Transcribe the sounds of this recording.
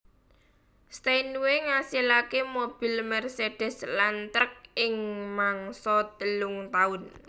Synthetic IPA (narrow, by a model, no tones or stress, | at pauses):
st̪ejnweŋasilakemob̥i̤lmɛrsedɖ̥ɛ̤slant̪ɾək̚ɪŋmaŋsɔt̪əlʊŋt̪aʊn